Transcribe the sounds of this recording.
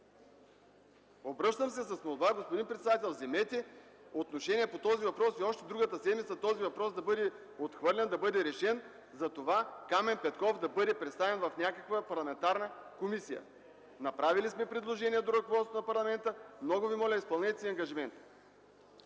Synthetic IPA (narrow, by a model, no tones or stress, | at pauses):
obɾɤʃt̪əmsɛsɐsmolˠbaɡospod̪inpɾɛt̪sɛd̪at̪ɛlˠzɛmɛt̪ʲɛot̪noʃɛnʲiɛpot̪ɔzivɐpɾɔsiɔʃt̪ɛd̪ɾuɡət̪əsɛd̪mit̪sɐt̪ɔzivɐpɾɔsd̪ɐbɤd̪ɛ | ot̪xvɤɾlʲɛnd̪ɐbɤd̪ɛɾɛʃɛn | zɐt̪ovakamɛnpɛt̪kɔfd̪ɐbɤd̪ɛpɾɛt̪st̪avɛnvɐfnʲakəkvəpɐɾlˠɐmɛnt̪aɾnəkomisijə̰ | nɐpɾavilismɛpɾɛd̪lˠoʒɛniɛd̪oɾəkovɔt̪st̪onɐpɐɾlˠɐmɛnt̪əmnɔɡʊvimɔlʲəispɐlˠnɛt̪siɐŋɡɐʒimɛnt̪